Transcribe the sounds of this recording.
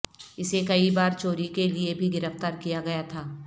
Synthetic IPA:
ɪsekɐibaːɾt͡ʃoːɾikeliebʱiɡɪɾəft̪aːɾkijaɡɐjat̪ʰaː

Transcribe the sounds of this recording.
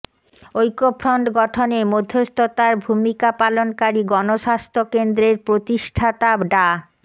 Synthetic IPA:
ojkopʰɾɔɳɖɡɔʈʰonemod̪ʱːost̪ʰot̪aɾbʱumikapalonkaɾiɡɔnoʃast̪ʰokend̪ɾeɾpɾot̪iʃʈʰat̪abɖa

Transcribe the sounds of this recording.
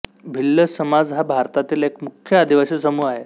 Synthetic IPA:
bʱilːəsəmad͡zɦabʱaɾt̪at̪iːlekmukʰjəad̪iʋaɕəsəmuːaɦe

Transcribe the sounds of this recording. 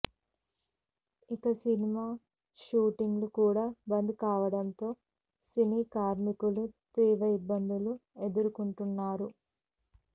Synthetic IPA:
ikɐsinimaː | ʃuːʈiŋɡlukuːɽaːbɐnd̪ukaːʋɐɽɐnt̪o̞ː | siniːkaːɾmikulut̪ɾiːʋɐibːɐnd̪ulue̞d̪uɾukuɳʈunːaːɾu

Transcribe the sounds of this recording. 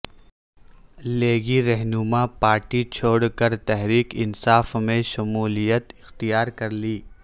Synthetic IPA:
leːɡiɾɛɦnʊmapaːɾʈit͡ʃʰoːɽkəɾt̪ɛɦɾiːkɪnsaːfmẽʃɐmuːlijət̪ɪxt̪ijaːɾkɐɾliː

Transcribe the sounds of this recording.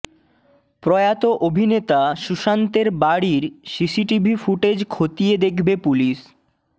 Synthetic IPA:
pɾɔjat̪oʔobʱinet̪aʃuʃant̪eɾbaɽiɾsisiʈibʱifuʈed͡ʑkʰot̪ied̪ekʰbepuliʃ

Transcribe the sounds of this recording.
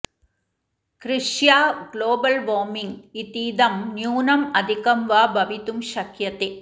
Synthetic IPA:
kɾɪʂjaːɡloːbɐlʋoːmiŋɡit̪ːiːd̪ɐmnjuːnɐmɐd̪ʱikɐmʋaːbɐʋit̪umʃɐkjɐt̪e

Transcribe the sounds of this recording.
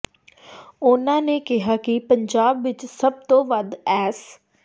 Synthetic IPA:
ʊnãːneːkɪɦaːkɪpəɲd͡ʒaːbʋɪt͡ʃsəb̚t̪õːʋəd̪ɛːs

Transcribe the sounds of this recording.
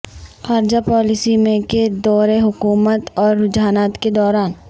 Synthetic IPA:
xaːɾd͡ʒapɔːlɪsimẽked̪ɔːɾeɦʊkuːmət̪ɔːɾːʊd͡ʒaːnaːt̪ked̪ɔːɾaːn

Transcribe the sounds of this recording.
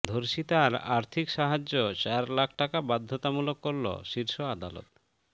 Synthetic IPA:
d̪ʱoɾʃit̪aɾa̰ɾt̪ʰikʃaɦad͡ʑːot͡ɕaɾlakʰʈakabad̪ʱːot̪amulokːoɾlo̰ʃiɾʃoad̪alo̰t̪̚

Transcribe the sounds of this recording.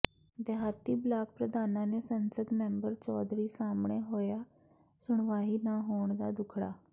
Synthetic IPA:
d̪ɛɦaːt̪iːblaːk̚pɾəd̪aːnãːneːsənsəd̪mɛ̃ːmbəɾt͡ʃɔːd̪ɾiːsaːmɳeːɦoːjaː | sʊɳʋaːɦiːnaːɦoːɳd̪a̰ːd̪ʊkʰɽa̰ː

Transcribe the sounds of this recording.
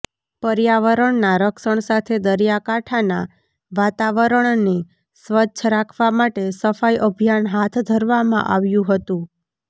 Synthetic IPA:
pəɾjaʋəɾəɳnaɾəkʃəɳ̃sat̪ʰed̪əɾijakaʈʰana̰ | ʋat̪aʋəɾəɳne | sʋətːʃʰɾakʰʋamaʈesəfajʔəbʱijanɦat̪ʰd̪ʱəɾʋamã̰ʔa̰ʋjũɦət̪ũ

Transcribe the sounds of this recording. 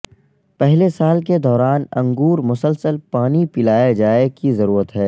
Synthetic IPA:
pɛɦlesaːlk̬ed̪ɔːɾaːnɐ̰̃ŋɡuːɾmʊsəlsəlpaːnipɪlaːjad͡ʒaːekizɐɾuːɾət̪ɦɛː

